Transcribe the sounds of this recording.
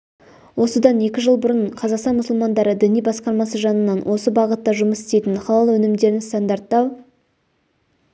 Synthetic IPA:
wo̞səd̪ɑne̞kʲɪʒəlˠbʊɾəɴqʰɑzɑqst̪ɑnmʊsʊlˠmɑnd̪ɑɾəd̪ɪnijbɑsqɑɾmɑsəʒɑnənːɑnwʔo̞səbɑʁət̪ːɑʒʊməsɪst̪e̞jt̪ɪnχɑlˠɑlˠəwɵnɪmd̪e̞ɾɪnst̪ɑnd̪ɑɾt̪ːɑw

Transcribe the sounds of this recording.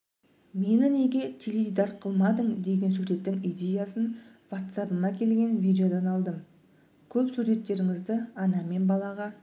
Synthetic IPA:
me̞nɪne̞ɡʲe̞t̪ʲʰelevʲijd̪ɑɾqʰəlˠmɑd̪əɴd̪e̞ɡʲe̞nsuɾe̞t̪ːɪŋijd̪ʲe̞jasən | vat̪sapənɑkʲʰe̞lɡʲe̞nvʲijd̪ʲeo̞d̪ɑnɑlˠd̪əm | kʲʰɵpsuɾe̞t̪ːe̞ɾɪŋɪzd̪ɪɑnɑme̞nbɑlˠɑʁɑ

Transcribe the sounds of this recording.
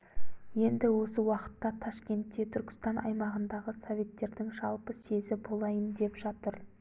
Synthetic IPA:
je̞nd̪ɪwo̞səwɑqə̥t̪ːɑt̪ʰɑʃkʲe̞nt̪ːe̞t̪ʰʏɾkʲɪ̥st̪ɑnʔɑ̰jmɑʁənd̪ɑʁəsovʲe̞t̪ːe̞ɾd̪ɪŋʒɑlˠpəse̞zɪbo̞lˠɑjənd̪e̞pʒɑt̪əɾ

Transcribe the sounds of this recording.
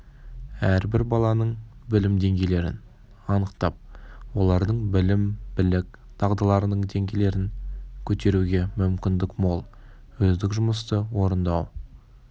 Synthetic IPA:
æɾbɪɾbɑlˠɑnəɴbɪlɪmd̪e̞ŋɡʲejle̞ɾɪ̰n | ɑnəqt̪ɑp̚wo̞lˠɑɾd̪əɴbɪlɪmbɪlɪk | t̪ʰɑʁd̪əlˠɑɾənəɴd̪e̞ŋɡʲele̞ɾɪŋkʲʰɵt̪e̞ɾuɡʲe̞mʏmkʲɪnd̪ɪkmolˠ | wɵzd̪ɪkʒʊməst̪əwo̞ɾənd̪ɑw

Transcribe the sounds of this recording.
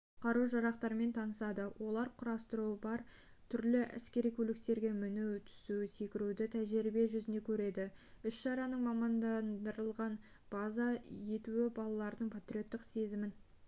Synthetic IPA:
qʰɑɾuʒɑɾɑqt̪ɑɾme̞nt̪ʰɑnəsɑd̪əwʔo̞lˠɑɾqʰʊɾɑst̪əɾuəbɑɾ | t̪ʰʏɾlɪʔæ̰skʲe̞ɾijkʲʰɵlɪk̚t̪e̞ɾɡʲe̞mʏnut̪ʰʏ̥suɪse̞kʲɪɾud̪ɪt̪ʰæʒɪɾibe̞ʒʏzɪne̞kʲʰɵɾe̞d̪ɪ | ʏsʃɑɾɑnəɴmɑmɑnd̪ɑnd̪əɾəlˠʁɑn | b̥ɑzɑje̞t̪uwɪbɑlˠɑlˠɑɾd̪əɴpʰat̪ɾʲio̞t̪ːɪqse̞zɪmɪn

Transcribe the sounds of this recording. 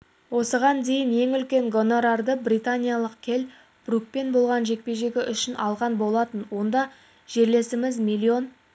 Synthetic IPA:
wo̞səʁɑnd̪e̞jɪnje̞ŋʏlkʲe̞ŋɡo̞noɾɑɾd̪əbrijt̪anʲijalˠəq̚kʲʰe̞l | b̥ruk̚pe̞nbo̞lˠʁɑnʒe̞k̚pe̞ʒe̞ɡʲɪʔʏʃɪnɑlˠʁɑnbo̞lˠɑt̪ənwo̞nd̪ɑ | ʒ̥e̞ɾle̞sɪmɪzmʲilʲːio̞n

